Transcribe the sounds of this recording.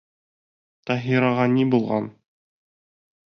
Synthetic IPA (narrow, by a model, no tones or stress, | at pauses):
t̪ɑɦiɾɑʁɑnibulˠʁɑ̰n